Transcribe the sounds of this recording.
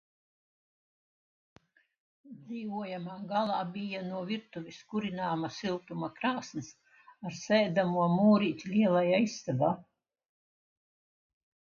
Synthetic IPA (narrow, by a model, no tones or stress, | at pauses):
d̪ziːvuɔjamaːɡalˠaːbʲijanuɔviɾt̪uvʲiskuɾinaːmasilˠt̪umakɾaːsnɨs | aɾsɛːd̪amuɔmuːɾiːt̪ʲlʲiɛlˠajajsːavaː